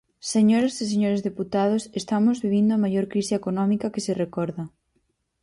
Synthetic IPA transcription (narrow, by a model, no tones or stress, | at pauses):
seɲoɾɐses̬eɲoɾezðeput̪að̞osest̪amozβiβ̞ind̪ʊɐmajoɾkɾiseekonɔmikɐkeserekɔɾðɐ